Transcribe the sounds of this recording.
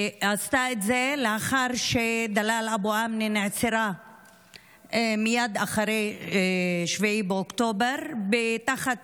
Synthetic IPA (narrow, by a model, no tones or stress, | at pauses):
ast̪aetzeleaχaʁʃed̪alalaboamneneʕt͡seɾa | mijad̪aχaɾej | ʃveibeokt̪obeʁbet̪aχat̪̚